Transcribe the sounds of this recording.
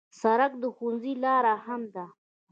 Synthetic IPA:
saɾak̚d̪əxunzilɑːɾahamd̪a

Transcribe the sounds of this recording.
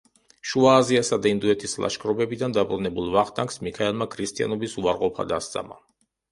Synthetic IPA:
ʃuaːziasad̪aind̪uɛt̪ʰislˠa̰ʃkʰʼɾɔbɛbid̪and̪abɾunɛbulˠvaχt̪ʼaŋksmikʰaɛlˠmakʰɾist̪ʼia̰nɔbisuaɾqʼɔpʰa̰d̪ast̪sʼa̰ma̰

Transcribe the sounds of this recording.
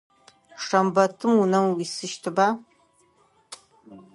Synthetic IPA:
ʂɐmbɐtʰɨmunɐwisɨʃtʰɨbaː

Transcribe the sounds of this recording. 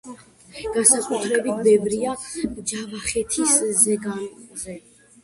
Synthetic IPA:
ɡ̥ansakʼut̪ʰɾɛbit̪̚ʰbɛvɾiad͡ʒavaχɛt̪ʰiszɛɡanzɛ

